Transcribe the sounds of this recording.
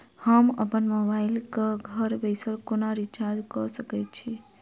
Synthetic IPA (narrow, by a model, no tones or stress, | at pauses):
həmə̰pənmobailkəɡʱəɾbəɪsəlkonaɾit͡ʃad͡ʒkɔsəkɛt͡ʃʰi